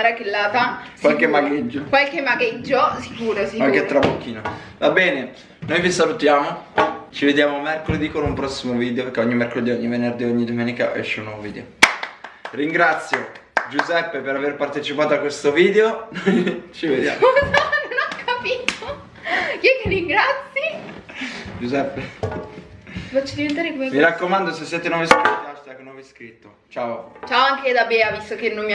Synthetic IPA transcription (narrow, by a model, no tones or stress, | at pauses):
ɾakilːaːt̪akwalkemːaɡed͡ʒːokwalkemːaɡed͡ʒːosi̥kuːɾosiwalket̪ːɾabokːiːno | vabɛːne | nojvisalut̪jaːmot͡ʃived̪jaːmomerkoled̪ikoɾaumpɾɔsːimoviːd̪eoperkeoɲːimerkoled̪ioɲːivenerd̪iːoɲːid̪omɛːnika̰ɛ̰ʃːeunwɔvoviːd̪ḛo | riŋɡɾat̪sːjo | d͡ʒuzɛpːepeɾaverpart̪et͡ʃipaːt̪oakːwest̪oviːd̪eonot͡ʃived̪jaɔzanonakʰːapiːt̪o | kɛkːeriŋɡɾat̪sːi | d͡ʒuzɛpːe | fat͡ʃːid̪ivent̪aːɾekomemiɾakːomand̪osesːjɛːt̪enɔveskoɾt̪at͡ʃt̪akːonwɔveskɾit̪ːo | t͡ʃaːot͡ʃaːoaŋked̪abeːavist̪okenomː